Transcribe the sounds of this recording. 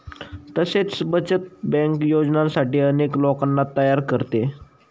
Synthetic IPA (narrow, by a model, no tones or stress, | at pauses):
t̪əset͡sbət͡ɕət̪̚bɛ̃ŋkjod͡znãsaʈiːəneklokanːat̪əjaɾkəɾt̪e